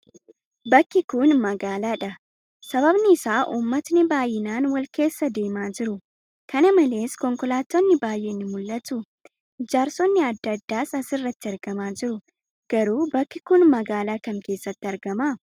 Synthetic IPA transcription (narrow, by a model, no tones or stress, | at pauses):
bɐkːɪkuːnmɐɡaːlaːᶑɐ | sɐbɐbnɪɪsaːʔuːmːɐt̪nɪbaːjɪnaːnwɐlke̞ːsːɐd̪e̞ːmaːd͡ʒɪɾʊ | kɐnɐmɐle̞ːskɔŋkɔlaːt̪ːɔnːɪbaːjːeːnːɪmʊlːɐt̪ʊ | d͡ʒaːɾsɔnːɪɐd̪ːɐd̪ːaːsɐsɪrːɐt̪ːɪɐɾɡ̥ɐmaːd͡ʒɪɾʊ | ɡ̥ɐɾuːbɐkːɪkʊnmɐɡaːlaːkɐŋke̞ːsːɐt̪ːɪɐɾɡɐmaː